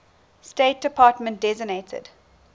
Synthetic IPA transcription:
steɪt̚d̥əpʰɑːtmə̃nt̚d̥ɛzɪɡnetʰə̰d

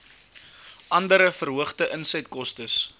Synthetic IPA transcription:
ʔɐndəɾəfərɦuəχtəʔənsɛtkɔstəs

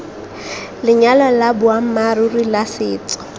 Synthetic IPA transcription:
lɪɲalalabʊam̩marurilasɪːt͡sɔ̥

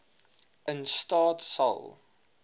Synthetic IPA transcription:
ʔənstɑːtsɐ̰lˠ

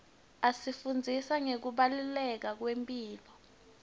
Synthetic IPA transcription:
asifund͡zʱisaŋek̬uɓalulɛk̬ak̬wempʼiːlɔ

